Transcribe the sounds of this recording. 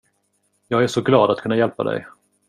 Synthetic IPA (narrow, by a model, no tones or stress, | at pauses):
jɑːɡæʂɔɡlɑːd̪at̪kʰɵnːajɛlpa̰d̪ɛ̰j